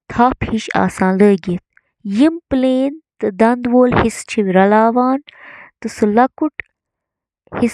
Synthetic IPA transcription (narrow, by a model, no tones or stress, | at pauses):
t̪ʰaːphiʃa̰ːsãːnləːɡit̪̚ | jimpleːnt̪ɨd̪ɐnd̪woːlhist͡ʃʰiwiɾɐlaːʋaːnt̪ɨsɨlɐkuʈ | his